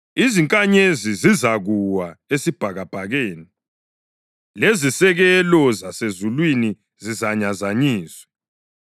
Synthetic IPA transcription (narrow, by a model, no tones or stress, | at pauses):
iziŋkʼaɲezizizaɣuwaesib̥ʱaɣab̥ʱaɣeːni | lezisɛɣɛlɔzasezulwini | zizaɲazaɲiːswɛ̥